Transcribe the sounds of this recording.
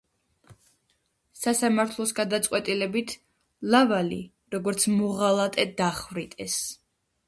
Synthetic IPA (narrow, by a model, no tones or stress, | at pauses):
sasamaɾt̪ʰlˠɔsɡad̪at̪sʼqʼwɛt̪ʼilɛbit̪ʰ | lavalḭ | ɾɔɡɔɾt̪sʰmɔʁalˠat̪ʼɛd̪aχvɾit̪ʼɛs